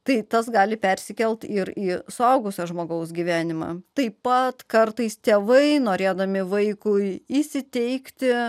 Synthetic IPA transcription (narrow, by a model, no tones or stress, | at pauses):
t̪ɐɪt̪ɐs̬ɡɑːlʲɪpʲɛɾʲsʲɪkʲɛlʲt̪ɪɾiːsʊɐʊɡʊsʲɐʒmoːɡɐʊsɡʲiːʋʲæːnʲɪmɑ̰ːt̪ɐɪpɐt̪kɐrt̪ɐɪst̪ʲeːʋɐɪnoːɾʲeːd̪ɐmʲɪʋɐɪkʊɪisʲɪt̪ʲɛɪkt̪ʲɪ